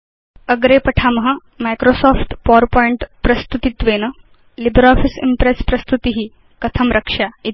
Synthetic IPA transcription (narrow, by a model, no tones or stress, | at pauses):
əɡɾepəʈʰamɦa | majkɾosɔfʈ̪pɔɾpɔiɳʈpɾəst̪ut̪it̪ʋenə | libɾɔfisḭmpɾespɾɐst̪ut̪iɦiː | kət̪ʰəmɾʔəkʂai